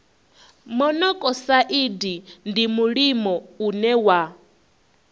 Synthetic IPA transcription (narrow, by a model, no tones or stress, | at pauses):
mɔnɔkʼɔsaʔidindimuɺimɔunɛwa